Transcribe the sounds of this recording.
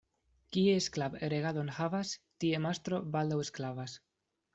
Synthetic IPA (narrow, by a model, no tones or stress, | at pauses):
kiesklabeɾeɣadonhavast̪ie̞mast̪ɾo̞bald̪awesklavas